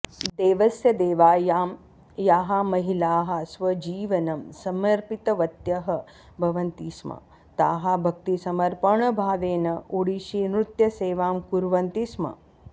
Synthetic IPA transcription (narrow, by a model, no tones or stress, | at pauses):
d̪eːʋɐsjɐd̪eːʋaːjaːm | jaːɦamɐɦilaːɦɐsʋɐd͡ʒiːʋɐnɐmsɐmɐɾpit̪ɐʋɐt̪jɐɦɐ̆ | bʱɐʋɐnt̪iːsmɐ̰ | t̪aːɦabʱɐk̚t̪isɐmɐɾpɐɳɐbʱaːʋeːnɐuɽiʃiːmɾut̪jɐseːʋaːmkuɾʋɐnt̪ismɐ̰